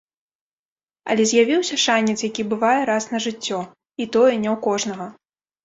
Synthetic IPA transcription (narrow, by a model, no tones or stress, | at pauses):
ɐ̰lʲɛzʲjavʲiwsʲɐʂanʲːɛt̪sjakʲibɨvajɛɾasnɐʐɨt͡sʲːɔ | it̪ɔjɛnʲɛwkɔʐnɐɣɐ